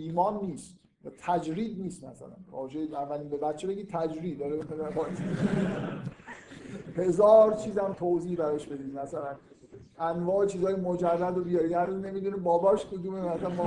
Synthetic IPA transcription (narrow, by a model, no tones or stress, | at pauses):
iːmɒːnːiːst̪ | æt̪ʰæd͡ʒɾiːd̪̚niːst̪mæ̰sæ̰læ̰nɒ̰ːd͡ʒejævːæliːnbebæt̪t͡ʃʰːebeɡiːt̪ʰæd͡ʒɾiːd̪ɒɾindæfɒjs | he̞zɒːɾt͡ʃʰiːzæmt̪ʰoziːhbæɾɒːʃbe̞d̪iːd̪mæsælæn | ʔænvɒːet͡ʃʰiːzɒːjemod͡ʒædːæd̪obijɒɾiːæɾuzne̞miːd̪unibɒːbɒːʃkʰod̪umemæslænmɒ